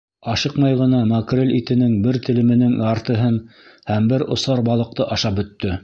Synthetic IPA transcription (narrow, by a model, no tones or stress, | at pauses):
ɑʃɤqmɑjʁɤ̆nɑmɐkrʲelʲit̪ɘ̆nɘŋbɘɾt̪ɘ̆lɘ̆mɘ̆nɘŋɑɾt̪ɤ̆ɦɤnhæmbɘɾŏ̰sɑɾbɑlˠɤ̆q̚t̪ɤʔɑʃɑp̚bɵ̆t̪ːɵ